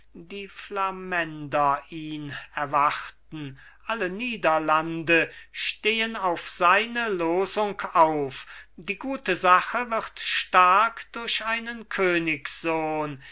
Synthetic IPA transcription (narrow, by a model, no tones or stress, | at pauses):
diːflamɛndɐʔiːnɛɐvaχtn̩ | ʔaləniːdɐlandəʃteːənaʊfz̥aɪnəloːzʊŋkaʊfdiːɡuːtəzaχəvɪʁtʃtaɐkd̥ʊɐɕʔaɪnənkʰøːnɪksz̥oːn